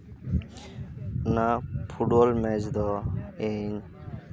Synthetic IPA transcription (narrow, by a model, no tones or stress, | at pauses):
napʰuɖbɔlmɛd͡ʒd̪ɔeɲ